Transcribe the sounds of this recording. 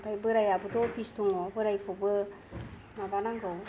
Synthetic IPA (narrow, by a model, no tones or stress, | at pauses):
tajbɯɾajabɯdɔpistuŋɔbɯɾajkʰɔbɯ | naɡanaŋɡɯw